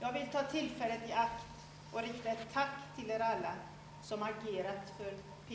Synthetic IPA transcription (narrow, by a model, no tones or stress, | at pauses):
jɑːɡvɪlt̪ʰɑːt̪ʰɪlfɛlːət̪ɪakt̪ | ʔɔɾɪkt̪aɛt̪ʰːakːt̪ʰɪleːɾalːa | sɔmaɾɡeːɾat̪fœɾ | pʰː